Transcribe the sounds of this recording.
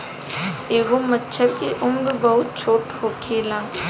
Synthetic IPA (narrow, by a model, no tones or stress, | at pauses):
eːʋomətːʃʰəɾkeʔʊmɾbɐɦʊt̪̚t͡ʃʰoːʈɦoːkʰeːlãː